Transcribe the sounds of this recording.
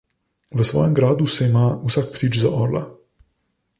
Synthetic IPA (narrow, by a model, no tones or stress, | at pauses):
ʋəsʋɔ̰ːjɛmɡɾaːd̪usɛimaːusak̚pt̪iːt͡ʃzaʔoɾla̰